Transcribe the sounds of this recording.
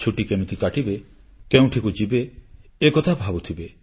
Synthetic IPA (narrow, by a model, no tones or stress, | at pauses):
t͡ʃʰuʈikemit̪ikaʈibe | keũʈʰikud͡ʒibeːkɔt̪ʰabʱabut̪ʰibe